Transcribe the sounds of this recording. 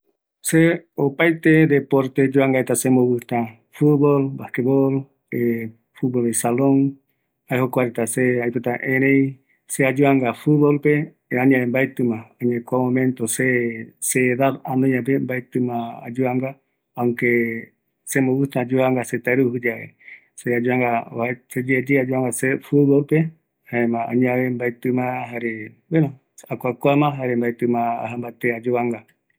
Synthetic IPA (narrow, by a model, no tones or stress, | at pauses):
seopajt̪ed̪epoɾt̪ed͡ʒuaŋɡaet̪asemoβɨht̪ã | fubolbahkebol | e | fut̪̚bolesaloŋ | aehokʷaɾet̪aseajpot̪aʔẽɾẽj̃ | sead͡ʒuaŋɡafuβolpe | aɲãẽmbaet̪ɨmãaɲãkʷamõmẽnt̪oseseːðaɾanõɲãp̬embajt̪ɨmãa̰d͡ʒuaŋɡa | aŋke | semoβut̪ãd͡ʒuβaŋɡaset̪aɾuɦɨd͡ʒaʔḛ | sead͡ʒuaŋɡaased͡ʒed͡ʒead͡ʒuaŋɡasefut̪βolpe | haemãa̰ɲãβembajt̪ɨmãɦaɾe | benõ | akʷakʷamãɦaɾembajt̪ɨmãa̰ɦambat̪ead͡ʒuβaŋɡa